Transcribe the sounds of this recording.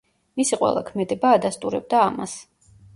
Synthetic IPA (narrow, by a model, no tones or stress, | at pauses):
misiqʼwɛ̰lˠa̰kʰmɛd̪ɛbaːd̪ast̪ʼuɾɛb̚d̪aːma̰s